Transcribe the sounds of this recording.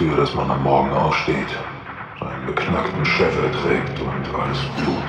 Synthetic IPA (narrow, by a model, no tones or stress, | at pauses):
yːɐɾasma̰na̰mːɔɐɡŋ̩ʔa̰ʊfʃteːt | z̥aɪnənbəkʰnaktn̩ʃɛfɛɐtʁ̥ɛːktʰʊntʰʔa̰ləsb̥luːt